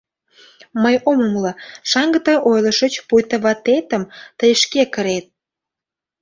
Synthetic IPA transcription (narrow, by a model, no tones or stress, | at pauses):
məjomomlɑʃɑŋɡət̪əʔojləʃət͡ɕpujt̪ə̆βɑt̪et̪əmt̪əjəʃkekəɾet̪̚